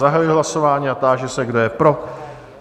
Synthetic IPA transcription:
aɦajuiɦlaso̞vaːɲiːat̪aːʒɛsɛɡdojɛpɾo̞

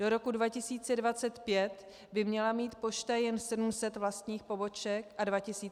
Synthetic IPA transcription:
doɾo̞kudvacɪsiːt͡sɛdvat͡sɛt̪pjɛt̪ | bɪmɲɛlamiːt̪po̞ʃt̪ajɛnsɛdum̩sɛt̪vlast̪ɲiːxpo̞bo̞t͡ʃɛkʔadvacɪsiː

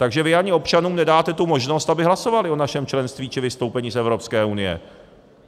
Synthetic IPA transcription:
t̪aɡʒɛvɪaɲɪo̞pt͡ʃanuːmnɛdaːt̪ɛt̪umo̞ʒno̞st̪abɪɦlaso̞valɪo̞naʃɛmt͡ʃlɛnst̪viːt͡ʃɪvɪst̪o̞wpɛɲiːsɛvɾopskɛːunɪjɛ̰

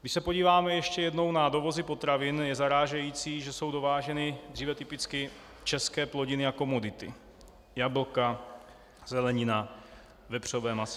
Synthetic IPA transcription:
ɡdɪʃsɛpo̞ɟiːvaːmɛjɛʃcɛjɛdno̞wnado̞vo̞zɪpo̞t̪ɾavɪnjɛzaɾaːʒɛjiːt͡siːʒɛso̞wdo̞vaːʒɛnɪd̪riːvɛt̪ɪpɪt͡skɪ | t͡ʃɛskɛːplo̞ɟɪnɪako̞mo̞dɪt̪ɪ̰ | jabl̩ka | zɛlɛɲɪna | vɛpr̝̥ovɛːmasɛ

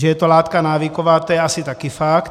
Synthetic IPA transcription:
ʒɛjɛt̪olaːt̪kanaːʋikoʋaːt̪ojɛasit̪akifakt̪

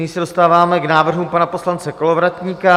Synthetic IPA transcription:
ɲisɛdo̞st̪aːvaːmɛɡnaːvr̩ɦumpanapo̞slant͡sɛko̞lovɾat̪ɲiːka

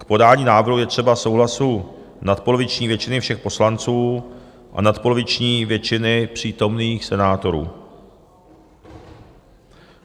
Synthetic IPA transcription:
kpo̞daːɲiːnaːvɾɦujɛt̪r̝̥ɛbaso̞wɦlasu | nat̪̚polovɪt͡ʃɲiːvjɛt͡ʃɪnɪfʃɛxpo̞slant͡suː | ʔa̰nat̪polovɪt͡ʃɲiːvjɛt͡ʃɪnɪpr̝̥iːt̪o̞mniːxsɛnaːt̪o̞ɾṵː

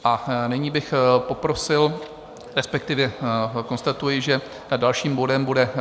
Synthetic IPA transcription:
ʔanɪɲiːbɪxpo̞pɾo̞sɪl | ɾɛspɛk̚t̪ɪvjɛko̞nst̪at̪ujɪʒɛ | dalʃiːmbodɛmbudɛ

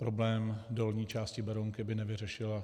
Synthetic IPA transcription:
pɾo̞blɛːmdolɲiːt͡ʃaːscɪbɛɾoŋkɪbɪnɛvɪrɛʃɪla

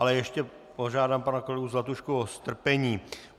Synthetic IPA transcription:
alɛjɛʃcɛ | poʒaːdaːmpanakolɛɡuzlɛt̪uʃkuost̪r̩pɛɲiː

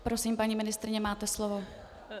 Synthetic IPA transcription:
pɾosimpaɲiːmɪnɪst̪ɾɪɲɛmaːt̪ɛslovo

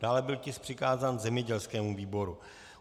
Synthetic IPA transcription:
daːlɛbɪlcɪspr̥ɪkaːzaːnzɛmɲɛɟɛlskɛːmuviːbo̞ɾu

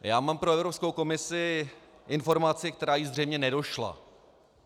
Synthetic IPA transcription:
jaːmaːmpɾo̞ɛvɾo̞psko̞wko̞mɪsɪʔɪnfo̞ɾmat͡sɪk̚t̪ɛɾaːjizr̝ɛjmɲɛnɛdo̞ʃla̰

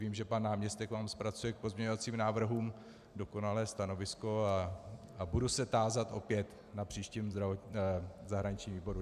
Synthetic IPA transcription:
viːmʒɛpanːaːmɲɛst̪ɛkvaːmspɾat͡sujɛk̚po̞zmɲɛɲovat͡siːmnaːvr̩ɦuːm | do̞ko̞nalɛːst̪ano̞vɪsko̞a | abudusɛt̪aːzat̪ʔo̞pjɛt̪ | napr̝̥iːʃciːmɾaozaɦɾaɲɪt͡ʃɲiːmviːbo̞ɾu

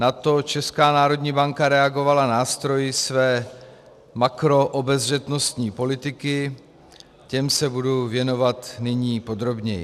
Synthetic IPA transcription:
nat̪o̞t͡ʃɛskaːnaːɾo̞d̪ɲiːbaŋkaɾɛaɡo̞valanaːst̪ɾo̞jɪsvɛː | makɾo̞ʔobɛzr̝ɛt̪nost̪ɲiːpo̞lɪt̪ɪkɪ | cɛmsɛbuduvjɛno̞vat̪nɪɲiːpo̞d̪ɾo̞bɲɛjɪ̰

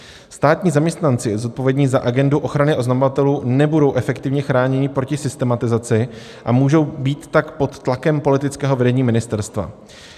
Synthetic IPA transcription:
st̪aːt̪ɲiːzamɲɛst̪nant͡sɪzo̞t̪̚povjɛdɲɪzaʔaɡɛnduʔo̞xɾanɪʔoznamo̞vat̪ɛluːnɛbudo̞wʔɛfɛkt̪ɪvɲɛxɾaːɲɛɲɪpɾo̞cɪsɪst̪ɛmat̪ɪzat͡sɪ | ʔamuːʒo̞wbiːt̪ːakpo̞t̪ːlakɛmpo̞lɪt̪ɪt͡skɛːɦo̞vɛdɛɲiːmɪnɪst̪ɛɾst̪va̰

